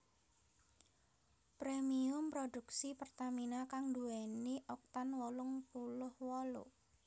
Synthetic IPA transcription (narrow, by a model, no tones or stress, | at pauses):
pɾemiʊmpɾoduksipərt̪aminakaŋd̪uɛniʔɔk̚t̪anwɔlʊŋpulʊhwɔlo̰